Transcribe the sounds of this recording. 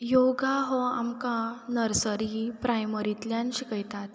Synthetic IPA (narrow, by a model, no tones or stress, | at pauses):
joɡaɦɔa̰mkãnəɾsəɾipɾʔajməɾit̪ljãnɕikəjt̪at̪